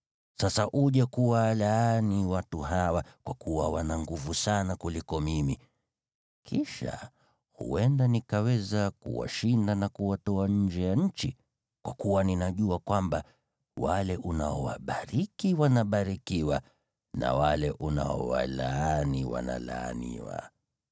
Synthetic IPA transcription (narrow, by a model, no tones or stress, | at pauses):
sasaʔuʄakuwalaaniwatuɦawakwakuwawanaŋɡuvusanakulikɔmimi | kʰiʃa̰ | hṵɛndanikawɛzakṵwa̰ʃindanakuwatɔaɲ̩d͡ʒɛjaɲ̩t͡ʃi | kwʔakuwaninaʄuakwamba | walɛʔuna̰ɔwa̰ɓaɾikiwanaɓaɾikiwa | na̰walɛʔuna̰ɔ̰wa̰laaniwa̰na̰laːnḭwa̰